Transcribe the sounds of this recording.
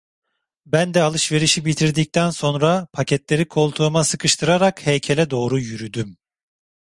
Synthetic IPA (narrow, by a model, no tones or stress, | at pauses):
bænd̪ɛalˠɯʃve̞ɾiʃibit̪ʰiɾd̪ic̚t̪ʰænso̞nɾapʰacʰɛt̪lʲe̞ɾikʰo̞lˠt̪ʰuːmasɯkʰɯʃt̪ʰɯɾaɾakhɛjcʰelʲɛd̪o̞ːɾujyɾyd̪ym